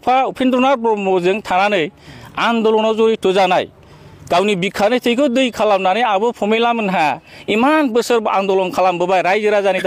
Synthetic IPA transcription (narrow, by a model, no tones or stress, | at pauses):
pʰaupʰendɔnaɾpɔmɔɾzɯŋtʰaɾanɯjandɔlɔnɔzɔɾitɯzanaj | ɡ̥awnibikʰːanɯjtʰɯjkʰɯdɯjkʰalamnanɯjabɯpʰɔmelamɯnɦaimanbɯsɯɾbɔʔandɔlɔŋkʰalambɯbajɾajzɯɾazanita